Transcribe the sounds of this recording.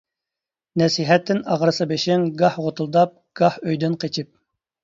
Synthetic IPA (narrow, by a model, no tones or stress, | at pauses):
nɛsiɦɛt̪ʰːɪnɑʁɾɨsɑbeʃɪŋɡɑhʁot̪ʰulˠd̪ɑp̚ɡ̥ɑhøjd̪ɪnqʰet͡ʃʰip̚